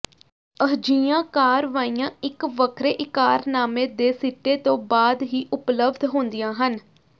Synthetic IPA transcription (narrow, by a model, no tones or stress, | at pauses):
əɦd͡ʒiːãːkaːɾʋaːijãːɪkʋəkʰɾeːʔɪkaːɾnaːmẽːd̪eːsiːʈeːt̪õːbaːd̪ɦiːʔʊpləbd̪ɦõːnd̪ijãːɦən